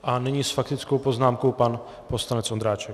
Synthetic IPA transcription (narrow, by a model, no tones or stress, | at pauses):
ʔanɛɲisfakt̪ɪt͡skowpoznaːmko̞wpan | poslanɛt͡sʔond̪ɾaːt͡ʃɛk